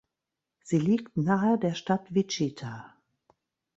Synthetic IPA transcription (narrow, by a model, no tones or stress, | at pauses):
z̥iːliːktnaːədeːɐʃtatvit͡ʃitʰa